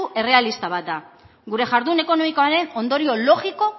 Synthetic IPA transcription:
uʔe̞re̞alist̪aβat̪̚d̪a | ɡuɾe̞ʝaɾðune̞ko̞no̞mikoaɾe̞no̞nd̪o̞ɾio̞lo̞ɣiko̞

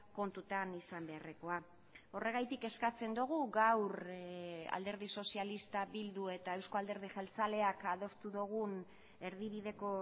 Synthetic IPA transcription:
ko̞nt̪ut̪anisambe̞areko̞a | o̞re̞ɣ̞ajt̪ike̞skat͡se̞nd̪uɣ̞uɡawɾ | a̰ld̪e̞ɾð̞iso̞sialist̪aβild̪ue̞t̪aewsko̞ald̪e̞ɾð̞iʝelt͡sale̞akaðo̞st̪uðoɣ̞un | e̞ɾðiβ̞iðe̞ko̞

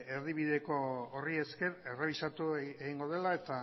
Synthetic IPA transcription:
eɾðiβiðe̞ko̞orie̞ske̞ɾe̞re̞β̞isat̪ueɣiŋɡo̞ð̞e̞lae̞t̪a

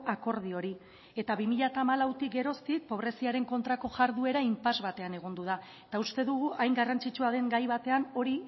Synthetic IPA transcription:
ako̞ɾð̞io̞ɾi | e̞t̪aβimiʎat̪amalawt̪ik̚ɡe̞ɾo̞st̪ik̚po̞βɾe̞siaɾe̞ŋko̞nt̪ɾako̞ʝaɾðue̞ɾaimpazβat̪e̞ane̞ɣ̞o̞nd̪uðaet̪aust̪e̞ðuɣ̞uʔajŋɡarant͡sit͡ʃuað̞e̞ŋɡajβat̪e̞ano̞ɾi

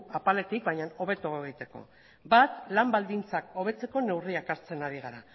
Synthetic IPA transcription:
apale̞t̪ik̚baɲano̞β̞e̞t̪oeɣ̞it̪e̞ko̞̰ | bat̪lambald̪int͡sako̞β̞e̞t͡se̞ko̞ne̞wriakaɾt͡se̞naɾiɣ̞aɾa

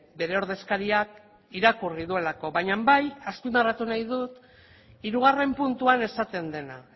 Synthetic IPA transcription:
be̞ɾe̞o̞ɾð̞e̞skaɾiak | iɾakuriðue̞lako̞βajɲambajaspind̪arat̪unajð̞ut̪ | iɾuɣ̞are̞mpunt̪uane̞sat̪e̞nd̪e̞na̰

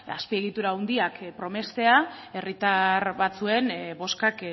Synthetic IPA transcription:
a̰spie̞ɣ̞it̪uɾaund̪iakpɾo̞me̞st̪e̞ae̞rit̪aɾβat͡sue̞nbo̞skak

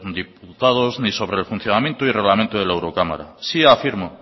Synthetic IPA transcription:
d̪iput̪að̞ozniso̞βɾelfun̟θjonamjẽnt̪oire̞ɣlamẽnt̪oðe̞laewɾo̞kama̰ɾa̰siafiɾmo

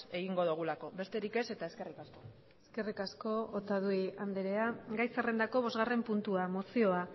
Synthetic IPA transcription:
e̞ɣiŋɡo̞ðuɣulako̞be̞st̪e̞ɾike̞se̞t̪ae̞ske̞rikasko̞ | eske̞rikasko̞ot̪aðuiand̪eɾe̞aɡajsare̞nd̪ako̞β̞o̞zɣare̞mpunt̪uamo̞sio̞a

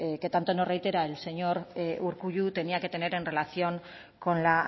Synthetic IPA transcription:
ke̞t̪ant̪onorejt̪e̞ɾaelse̞ɲo̞ɾuɾkuʎut̪e̞niake̞t̪ene̞ɾe̞nre̞laθio̞ŋ | ko̞nla

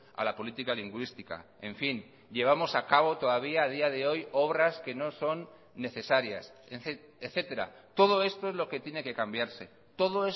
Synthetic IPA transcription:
a̰lapo̞lit̪ikaliŋɡwist̪ika̰ | e̞ɱfin | ʎe̞β̞amo̞sakaβ̞o̞t̪o̞ðaβ̞iaːð̞iað̞e̞o̞jo̞β̞ɾaske̞no̞so̞nː | e̞θe̞saɾja̰seθ | eθe̞t̪e̞ɾa̰t̪o̞ð̞o̞e̞st̪o̞ezlo̞ke̞t̪je̞ne̞ke̞kambjaɾse̞ | t̪o̞ðoe

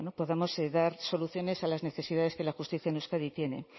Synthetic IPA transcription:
nopo̞ðamo̞seðaɾso̞luθjo̞ne̞salazne̞θe̞siðaðe̞ske̞laxust̪iθjanuskaðit̪je̞ne̞̰

